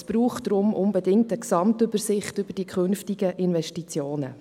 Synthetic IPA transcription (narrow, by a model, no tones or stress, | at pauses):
sb̥ɾuːχdɾʊmʔʊnbɛdɪŋ̚təksɑmtʏbəɾsɪχtʏb̥əɾd̥ikʰχɵnftiɡəʔɪnʋɛʃtit͡sjoːnə̰